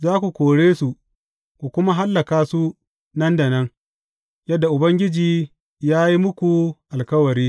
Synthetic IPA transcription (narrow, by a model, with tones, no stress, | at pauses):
zaː˦kʷu˨kʷoː˨ɽeː˦su˨ʔ | kʷu˨kʷʊ˦ma˦ɦa˦lːɐ˨kaː˦su˦ | nɐ˦ndɐ˨nɐ˦ŋ | jɐ˦dːa˨ʔʊ˨bɐ˦ŋɡʲɪ˦d͡ʒiː˨ | jaː˦ji˦mʊ˦kʷu˨ʔa˨lkɐ˦wɐ˨ɾiː˦